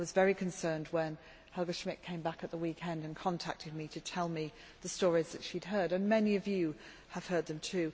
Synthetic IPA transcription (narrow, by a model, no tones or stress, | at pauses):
wʌzvɛɹikʰɨ̃nsɜ̃˞nd̚wə̃n | hʌɡɨʃmɪʔ̚kʰẽɪ̃mbækɨt̪̚ðəwikʰɛ̃ndɨ̃nkʰɑ̃ntʰæ̰k̚tʰɨd̚miɾɨtʰɛlˠmi | ðɨstɔɹizðɨtʃid̚ɦɜ˞ɾɨ̃nmɛniʌvjʉ | əv̥hɜ˞d̪̚ðɨ̃mtʰʉ